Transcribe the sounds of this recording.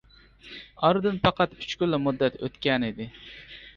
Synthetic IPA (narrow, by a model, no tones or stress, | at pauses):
ɑɾd̪ɨnfɑqɑt̪yt͡ʃkʲylːɛmud̪ːɛt̪ø̰t̪kʲɛnɪd̪ɪ